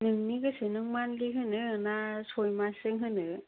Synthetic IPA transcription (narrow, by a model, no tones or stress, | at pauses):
nɯŋniɡɯsɯnɯŋmanliɦɯnɯɯnasojmasɯŋɦɯnɯ